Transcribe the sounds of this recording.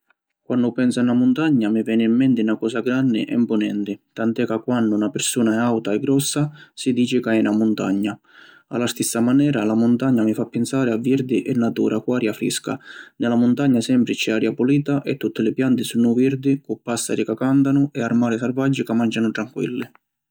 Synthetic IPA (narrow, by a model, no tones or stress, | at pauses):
kwanːʊpɛnsanamʊnt̪aɲːamivɛːnɪimːɛnt̪ɪnakɔːsaɡɾanːɪ̰ʔɛ̰mpʊnɛnt̪ɪt̪ant̪ɛkːakːwanːʊnapɪɾsuːnaɛawt̪aɛɡːɾɔsːasid̪iːt͡ʃɪkaɛnamʊnt̪aɲːa | a̰lːast̪isːamanɛːɾalamʊnt̪aɲːamɪfapːɪnsaːɾɪavːiɾd̪ɪʔɛnːat̪ṵːɾʔakwaːɾjafɾḭska̰nɪlamʊnt̪aɲːasɛmpɾɪt͡ʃɛaːɾjapuliːt̪aʔɛt̪ːut̪ːɪlɪpjant̪ɪsunːʊviɾd̪ɪkʊpːasːa̰ɾikakant̪anʊɛaɾmaːɾɪsarvad͡ʒːɪkamand͡ʒanʊt̪ɾaŋkwḭlːɪ